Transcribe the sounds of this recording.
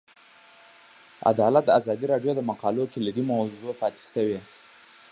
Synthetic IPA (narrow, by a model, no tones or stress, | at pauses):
a̰d̪ɑlat̪̚d̪əazɑd̪iɾɑɖjod̪əmaqɑlokeləd̪imawzopɑt̪e̥səwe